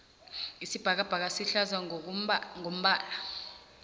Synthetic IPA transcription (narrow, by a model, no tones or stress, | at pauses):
isib̥ʱak̬ab̥ʱak̬asiɬaza | ŋom̩ɓaːla